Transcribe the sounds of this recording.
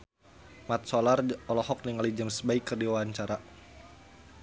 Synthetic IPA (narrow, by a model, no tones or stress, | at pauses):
mat̪̚sɔlarɔlɔhɔk̚niŋalid͡ʒamsbaikːərdiwaɦaɲt͡ʃaɾa